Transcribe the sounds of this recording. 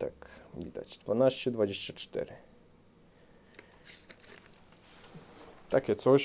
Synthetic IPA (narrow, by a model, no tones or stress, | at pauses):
t̪akvʲid̪a̰t͡ɕd̪vanaɕt͡ɕɛd̪vad͡ʑeɕt͡ɕat͡ʂt̪ɛ̰ɾɪ | t̪akʲɛt̪sɔɕ